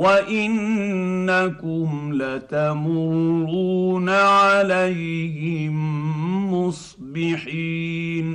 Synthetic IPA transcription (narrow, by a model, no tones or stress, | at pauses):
waʔɪnnːakʊmlat̪amuɾɾuːnaʕalajhɪmː | ʊsˤ | bɪħiːn